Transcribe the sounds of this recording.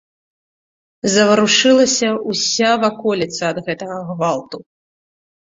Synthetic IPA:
zɐvɐɾuʂɨlˠɐsʲɐusʲavakɔlʲit̪sɐːd̪ɣɛt̪ɐɣɐɣvalˠt̪u

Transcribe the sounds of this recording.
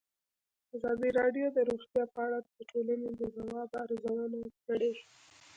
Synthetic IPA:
azɑd̪iɾɑɖjod̪əɾoxt̪jɑpəaɽad̪əʈʰolaned̪əzawɑbaɾzawanakəɽeʃ

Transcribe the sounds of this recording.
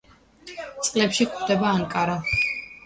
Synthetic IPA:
t̪sʼqʼlɛpʃikχd̪ɛbaːŋkʼaɾa

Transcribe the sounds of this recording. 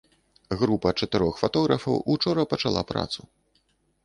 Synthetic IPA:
ɣɾupɐt͡ʂɐt̪ɨɾɔxfat̪ɔɣɾɐfɐwut͡ʂɔɾɐpɐt͡ʂalˠa̰pɾa̰t̪su

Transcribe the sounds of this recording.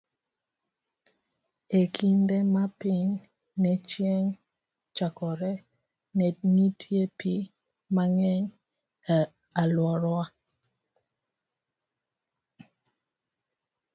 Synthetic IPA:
ekʰindemapɪŋ | nɛt͡ʃjɛŋ | t͡ʃakɔɾɛ | nɛŋitʰjepi | maŋɛɲ | alwɔɾɔa

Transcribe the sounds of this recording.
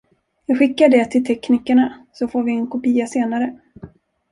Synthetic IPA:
jɑːɡɧɪkːaɖɛt̪ʰɪlt̪ʰɛkːniːkaɳasɔfoːɾvɪɛnkʰʊpiːaseːnaɾə

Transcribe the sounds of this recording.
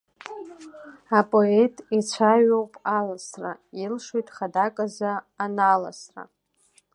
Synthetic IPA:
apʼo̞etʼit͡sʷʰaɥowpʼalasra̰ilʂejtʼχadakʼazaː | nala̰sra̰

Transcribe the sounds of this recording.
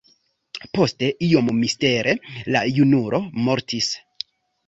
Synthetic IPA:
po̞ste̞ʔio̞mmiste̞ɾʔe̞lajunuɾʔo̞mo̞ɾtʰis

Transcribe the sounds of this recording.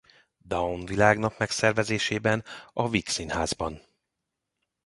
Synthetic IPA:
d̪ɒonvilaːɡnɒpmɛksɛrvɛzeːʃeːbɛnɒviksinhaːzbɒn

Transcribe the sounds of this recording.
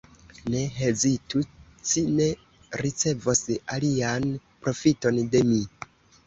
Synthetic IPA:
ne̞ɦezitu | t͡ʃine̞ | ɾit͡se̞vosalianpɾo̞fito̞nde̞mi

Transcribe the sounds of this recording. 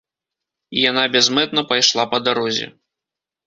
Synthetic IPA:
ijanabʲɛzmɛt̪̚nɐpajʂlˠapɐd̪aɾɔzʲɛ̰

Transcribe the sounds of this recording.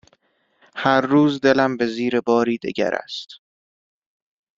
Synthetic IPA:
hæɾːuːzd̪e̞læmbe̞ziːɾebɒːɾiːd̪ḛɟæ̰ɾæ̰st̪

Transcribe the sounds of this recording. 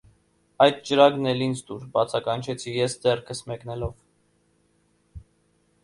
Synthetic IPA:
ɑjd̪̚t͡ʃəɾɑɡnɛlint͡sʰd̪uɾbɑt͡sʰɑkɑnt͡ʃʰɛt͡sʰijɛsd̪ɛrkʰəsmɛknɛlɔv

